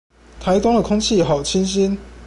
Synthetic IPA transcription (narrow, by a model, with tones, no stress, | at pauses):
t̪ʰa˨˦ɪt̪ʊ˥ŋd̪ə˨kʰʊ˥ŋt͡ɕʰi˥˨ɦɑ˨˩ʊt͡ɕʰi˦˥nɕ̬i˦˥n